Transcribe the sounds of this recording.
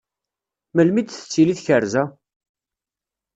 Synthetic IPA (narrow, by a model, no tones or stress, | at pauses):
məlmid̪θə̥t͡sːiliθçəɾzæ